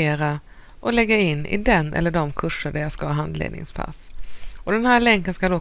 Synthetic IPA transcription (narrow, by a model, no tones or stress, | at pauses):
eːɾa | ʔɔlɛɡːaɪnːɪ̰d̪ɛnːʔɛ̰lːəɖɔmkʰɵʂːəɖæɾjaskaɑːɦand̪lḛːd̪nɪ̰ŋspʰa̰sɔd̪ɛnhæːɾɭɛŋkənskad̪ɔ